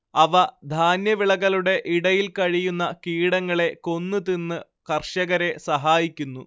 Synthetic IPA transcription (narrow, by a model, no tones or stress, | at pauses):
ɐʋɐd̪ʱaːnjɐʋiɭɐɣɐluɽe̞ʔiɽɐjilkɐɻijunːɐkiːɽɐŋːɐɭe̞ko̞nːɨt̪inːɨ | kɐrʂɐɣɐɾe̞sɐɦaːjikʲːunːu